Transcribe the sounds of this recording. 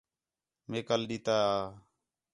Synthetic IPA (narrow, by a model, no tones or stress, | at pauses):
meːkəlɗiːt̪aː